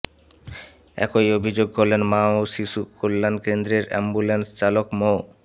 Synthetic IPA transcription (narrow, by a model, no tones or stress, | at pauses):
ɛ̰kojobʱid͡ʑoɡ̚kolenmaoʃiʃukolːankend̪ɾeɾɛ̰mbulenst͡ɕalokmo